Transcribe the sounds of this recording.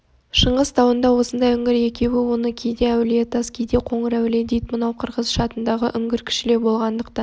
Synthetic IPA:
ʃəɴʁəzt̪ʰɑwənd̪ɑwo̞sənd̪ɑjʏŋɪɾe̞kʲe̞wɪwo̞nəkʲʰejd̪eæwlet̪ʰɑskʲijd̪e̞qʰo̞ɴəɾæwɪled̪ejt̪mənɑwqʰəɾʁəzʃɑt̪ənd̪ɑʁəʔʏŋɡʲɪɾkʲʰʏ̥ʃɪle̞bo̞lˠʁɑnd̪əq̚t̪ɑn

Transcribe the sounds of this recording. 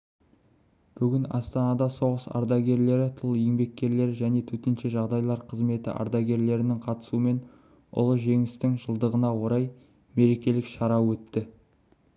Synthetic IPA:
b̥ʏɡʲɪnɑ̰st̪ɑnɑd̪ɑso̞ʁəsɑ̰ɾd̪ɑɡʲe̞ɾle̞ɾɪt̪ʰʊlˠjɪŋbe̞k̚ʲːe̞ɾle̞ɾʒæne̞t̪ʰɵt̪e̞nʃe̞ʒɑʁd̪ɑjlˠɑɾqʰəzme̞t̪ɪ̰ʔɑ̰ɾd̪ɑɡʲe̞ɾle̞ɾɪnɪŋqʰɑt̪ə̥suəme̞n | ʊ̰lˠəʒe̞ŋɪst̪ɪŋʒəlˠd̪əʁənɑwo̞ɾɑj | me̞ɾe̞kʲe̞lɪkʃɑɾɑwɵt̪ːɪ

